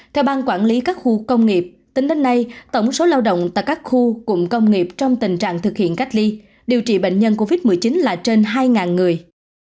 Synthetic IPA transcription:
t̪ʰɛ˧wɓaː˧nkwaː˧˩nli˨˦kaː˦˥k̚xu˧kə˧wŋ͡mŋi˨˩p̚ | t̪i˨˦ŋɗe˨˦nːa˧jt̪ə˧˩wŋ͡mso˨˦laː˧wɗə̰˧˨wŋ͡mt̪a̰ː˧˨jkaː˦˥k̚xu˧kʊ̰˧˥ŋ͡mkə˧wŋ͡mŋi˨˩p̚t͡ɕɔ˧wŋ͡mt̪ï˨˩ŋ̟t͡ɕa̰ː˧˨ŋt̪ʰɨ˨˩k̚hḭ˧˨ənka˦˥k̚li˧ | ɗi˨˩əwt͡ɕḭ˧˩ɓḛ˧˨jŋ̟ɲə˧nko˧vi˦˥t̚mɨ˨˩əjt͡ɕi˨˦nlaː˨˩t͡ɕe˧nɦaː˧jŋaː˨˩nŋɨ˨˩əj

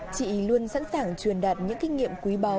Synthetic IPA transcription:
t͡ɕḭ˧˨lu˧ənsa̰˧˥nsaː˧˩ŋt͡ɕwi˨˩ənɗaː˨˩t̚ɲɨ̰˧˥ŋkï˧ŋ̟ŋḭ˧˨əmkwi˨˦ɓa˨˦

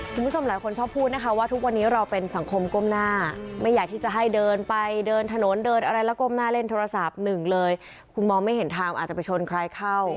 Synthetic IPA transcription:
kʰu˧m˦˥˩t͡ɕʰo˧mlaː˨˦jkʰo˧nt͡ɕʰɔː˥˩pʰːuː˥˩t̪̚na˦˥kʰa˦˥waː˥˩t̪ʰu˦˥k̚wa˧nːiː˦˥ɾa˧wpe˧nsa˩˦ŋkʰo˧mko˥˩˨mnaː˥˩˥ma˥˩jːaː˨˩k̚t̪ʰiː˥˩t͡ɕa˨˩ɦa˥˩jdɤː˧npa˧jdɤː˧nt̪ʰa˧no˩˦ndɤː˧nʔa˧ɾa˧jlɛː˦˥ko˥˩mnaː˥˩le˥˩nt̪ʰoː˧ɾa˧sa˨˩p̚nɯ˨˩ŋlɤː˧j | kʰu˧nmɔː˧ŋma˥˩jɦe˨˩˦nt̪ʰaː˧ŋʔaː˨˩t̚t͡ɕa˨˩pjt͡ɕʰo˧nkʰɾaː˧˥jkʰa˥˩w

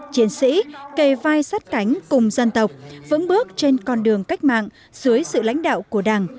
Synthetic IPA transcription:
t͡ɕi˨˦ənsḭ˧˥ke˧˩vaː˧jsaː˦˥t̚ka˨˦jŋ̟kʊ˨˩ŋ͡mzə˧nt̪ə˨˩wk͡p̚və̰˧˥nɓɨ˦˥ək̚t͡ɕe˧nkɔ˧nɗɨ˨˩əŋka˦˥jk̟̚ma̰ː˧˨ŋ | z̥ɨ˨˦əjsɨ̰˧˨la̰˧˥jŋ̟ɗa̰ː˧˨wku˧˩əɗaː˨˩ŋ

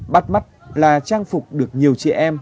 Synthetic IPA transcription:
ɓa˦˥t̚ma˦˥t̚laː˨˩t͡ɕaː˧ŋfʊ˨˩k͡p̚ɗɨ˨˩ək̚ɲi˨˩əwt͡ɕḭ˧˦ʔɛ˧m

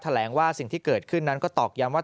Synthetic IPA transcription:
t̪ʰa˧lɛː˩˦ŋwaː˥˩si˨˩ŋt̪ʰiː˥˩kɤː˨˩t̪̚kʰɯ˥˩nːa˦˥nkɔː˥˩t̪ɔː˨˩k̚ja˦˥mwaː˥˩

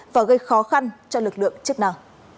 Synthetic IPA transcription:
vaː˨˩ɣə˧jxɔ˨˦xa˧nt͡ɕɔ˧lɨ˨˩k̚lɨ̰˧˨əŋt͡ɕɨ˦˥ək̚na˧˩w

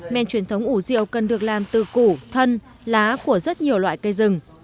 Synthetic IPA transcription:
mɛ̰˧˨nt͡ɕwi˨˩ənt̪ʰə˨˦wŋ͡mʔu˧˩zḭ˧˨ə˨wkə˨˩nɗɨ˨˩ək̚laː˨˩mt̪ɨ˨˩ku˧˩t̪ʰə˧n | laː˨˦ku˧˩əzə˦˥t̚ɲi˨˩əwlwa̰ː˧˨jkə˧jzɨ˨˩ŋ

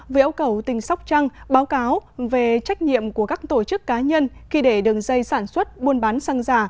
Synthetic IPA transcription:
və˨˦ʔə˧wkə˧˩wt̪ï˨˩ŋ̟sa˦˥wk͡p̚t͡ɕa˧ŋɓaː˨˦wkaː˨˦wve˨˩t͡ɕa˦˥jk̟̚ɲḭ˧˨əmku˧˩əkaː˦˥k̚t̪o˧˩t͡ɕɨ˦˥kːaː˨˦ɲə˧nxi˧ɗe˧˩ɗɨ˨˩ək̚zə˧jsaː˧˩nswə˦˥t̚ɓu˧ənɓaː˨˦nsa˧ŋzaː˧˩

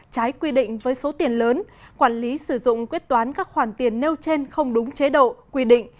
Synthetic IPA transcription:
t͡ɕaː˨˦jkwi˧ɗḭ̈˧˨ŋ̟vəː˨˦jso˨˦t̪i˨˩ənləː˨˦nkwaː˧˩nli˨˦sɨ˧˩zʊ̰˧˨ŋ͡mkwi˦˥ət̚t̪waː˨˦nkaː˦˥k̚xwaː˧˩nt̪i˨˩ənːe˧wt͡ɕe˧nxə˧wŋ͡mɗʊ˨˦ŋ͡mt͡ɕe˨˦ɗo̰˧˨kwi˧ɗḭ̈˧˨ŋ̟

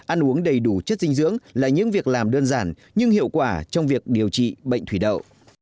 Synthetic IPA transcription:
ʔa˧nʔu˨˦əŋɗə˨˩jɗu˧˩t͡ɕə˦˥t̚sï˧ŋ̟zɨ̰˧˥əŋlaː˨˩ɲɨ̰˧˥ŋvi˨˩ək̚laː˨˩mɗəː˧nzaː˧˩n | ɲɨ˧ŋhḭ˧˨əwkwaː˧˩t͡ɕɔ˧wŋ͡mvi˨˩ək̚ɗi˨˩əwt͡ɕḭ˧˨ɓə̰˧˨jŋ̟t̪ʰi˧˩ɗə̰˧˨wʔ

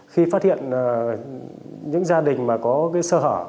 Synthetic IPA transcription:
xi˧faː˦˥t̚hḭ˧˨ənː˨˩ | ɲɨ̰˧˥ŋzaː˧ɗï˨˩ŋ̟maː˨˩kɔ˨˦kaː˨˦jsəː˧həː˧˩

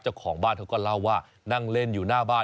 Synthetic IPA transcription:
t͡ɕa˧˩wkʰɔː˩˦ŋbaː˥˩nt̪ʰa˧wkɔː˥˩la˥˩wːaː˥˩ | na˥˩ŋle˥˩njuː˨˩naː˥˩baː˥˩

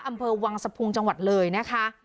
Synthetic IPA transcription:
ʔa˧mpʰɤː˧wa˧ŋsa˧pʰu˧ŋt͡ɕa˧ŋwa˨˩t̪̚lɤː˧jna˦˥kʰa˦˥

